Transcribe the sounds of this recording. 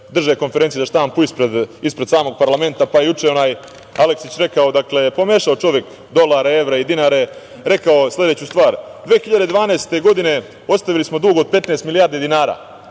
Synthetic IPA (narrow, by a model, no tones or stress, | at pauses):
d̪r̩ʒaeko̞nfeɾent̪iezaʃt̪aːmpuispɾed̪ispɾe̞d̪saːmo̞ɡ̚paɾlame̞nt̪apajejut͡ʂeo̞naːj | aleksit͡ɕɾe̞kaod̪aklepo̞meːʃaot͡ʃo̞ʋjek | d̪o̞lˠaɾee̞ʋɾaid̪inaːɾe̞ | ɾe̞kaoslʲe̞d̪eːt͡ɕust̪ʋaːɾd̪ʋeːxiʎad̪e̞d̪ʋaːneːst̪e̞ɡo̞d̪ine̞ | o̞t̪st̪aʋilismo̞d̪uɡood̪̚pe̞t̪neːst̪milijaɾd̪ed̪inaːɾa̰ː